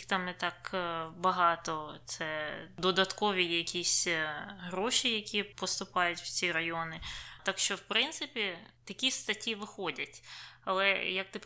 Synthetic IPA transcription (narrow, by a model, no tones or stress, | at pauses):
t̪ɑmnɛt̪ɑkbɐɦɑt̪ɔt̪sɛd̪ɔd̪ɐt̪kɔʋʲijɛjɐkʲisʲɦɾɔʃijɐkʲipɔst̪ʊpɑjʊtʲwt͡sʲiɾɐjɔnɪt̪akʃt͡ʃɔwpɾɪnt̪sɪpʲit̪ɐkʲist̪ɐtʲiʋɪxɔdʲɐtʲɐlˠɛjɐk̚t̪ɪp